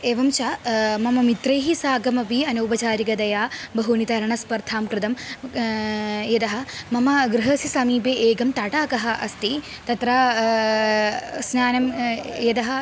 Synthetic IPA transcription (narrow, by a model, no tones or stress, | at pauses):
eːʋɐmt͡ʃaːmɐmɐmit̪ɾɐjɦisaːɡɐmɐpiɐnɐubɐt͡ʃaːɾiɡɐd̪ɐjaːbɐɦunit̪ɐɾɐɳɐspɐɾt̪ʰaːmkɾɪt̪ɐm | jɐd̪ɐɦɐ̆mɐmɐɡɾɪɦɐsisɐmiːpeːʔeːɡɐmt̪aːʈaːkɐɦɐ̆ʔɐst̪i | t̪ɐt̪ɾaː | snaːnɐmjɐd̪ɐɦɐ̆